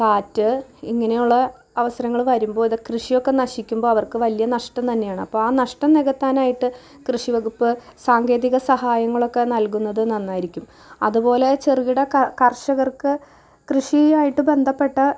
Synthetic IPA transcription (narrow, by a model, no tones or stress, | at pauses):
kaːtːɨiŋːɐne̞juɭːɐ | ɐʋɐsɐɾɐŋːɐɭʋɐɾumbo̞ːiðɨkrɨʂijo̞kːe̞nɐɕikʲːumbo̞ːɐʋɐrkɨʋɐlijɐnɐʂʈɐmt̪ɐnːe̞jaːɳɨɐpːo̞ːɭaːnɐʂʈɐneɣɐt̪ːaːnaːjiʈːɨ | krɨʂiʋɐɣupːɨsaːŋɡe̞ːðiɣɐsɐhaːjɐŋːɐɭo̞kːe̞nɐlkunːɐðɨnɐnːaːjiɾikʲːum | ɐ̰ðupo̞ːle̞t͡ɕeriɣiɽɐkɐrʂɐɣɐrkɨ | krɨʂiaːjiʈːɨbe̞nd̪ʱɐpːe̞ʈːɐ